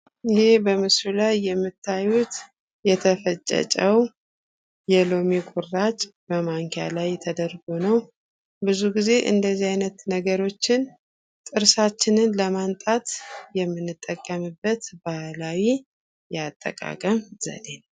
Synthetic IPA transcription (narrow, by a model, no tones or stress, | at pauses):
ɪhe̞bəmɨsɾulajːɛmːɨt̪ʰːajːut̪ | jɛt̪ʰəfət͡ʃʼːə̰t͡ʃʼəw | jɛlo̞mekʼuɾːat͡ʃʼbəmaŋkʰja̰lajt̪ʰəd̪ərɡo̞nəw | bɨzuɡize̞ʔɨ̰nd̪əzːihajnət̪nəɡəɾo̞t͡ʃːɪn | t̪ʼɨɾsat͡ʃːɪnɨnləmant̪ʼat̪jɛmːɨnːɨt̪ʼːəkʼːəmɨbːət̪bahlawi | jɛat̪ʼːə̰kʼa̰kʼəmz̥ə̰le̞n